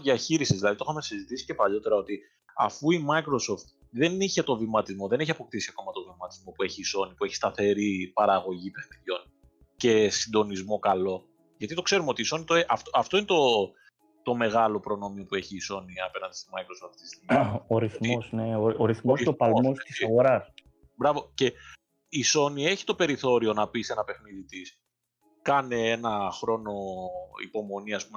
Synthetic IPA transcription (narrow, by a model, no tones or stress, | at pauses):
ðiɐçiɾisizðilɐðit̪oxɐme̞sizit̪isi̥ce̞pɐʎo̞t̪e̞ɾɐo̞t̪i | ɐ̰fuimɐikɾo̞so̞ft̪̚ | ðe̞niçe̞t̪o̞vimɐt̪izmo̞ðeneçiɐpo̞k̚t̪isiɐko̞mɐt̪o̞vimɐt̪izmo̞pue̞çiːso̞nipueçi̥st̪ɐθe̞ɾipɐɾɐɣo̞ʝipeðiʎo̞n | ce̞sind̪o̞nizmo̞kɐlo̞ | ʝɐt̪it̪o̞kse̞ɾumeo̞t̪iso̞nit̪oeʔɐft̪oɐft̪o̞inet̪o̞ | t̪o̞me̞ɣɐlo̞pɾo̞no̞mio̞pue̞çiːso̞niɐpe̞nɐnd̪ist̪omɐjkɾosoft̪ist̪imoɾiθmosneooɾiθmosopɐlmostiɐɣoɾɐs | bɾɐvo̞ce̞ | iso̞nie̞çi̥t̪o̞pe̞ɾiθo̞ɾio̞nɐpise̞nɐpe̞xniðit̪is | kɐneenɐxɾo̞no̞ḭpo̞mo̞niɐspum